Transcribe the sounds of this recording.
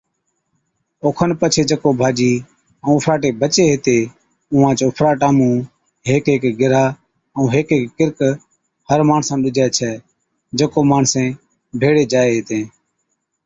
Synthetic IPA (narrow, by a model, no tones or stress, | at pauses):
oːkʰənpət͡ʃʰeːd͡ʒəkoːbʱaːd͡ʒiː | ə̃ːʊpʰɾaːʈeːbət͡ʃeːɦet̪eː | ʊːʋãːt͡ʃoːpʰɾaːʈaːmũː | ɦeːkeːkɡɪɾaː | əũːɦeːkeːkːɪɾk | həɾmaːɳsãːɗʊd͡ʒʱaːt͡ʃʰɛː | d͡ʒəkoːmaːɳ̤sẽː | bʱeːɽeːd͡ʒaːeːɦeːt̪ẽː